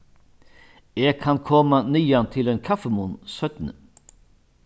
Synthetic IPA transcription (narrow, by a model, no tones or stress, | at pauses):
eːɡ̚kʰɑnkʰɔmanyːant̪ʰɪleːnkʰɑfəmʊnsœt̪n̩ə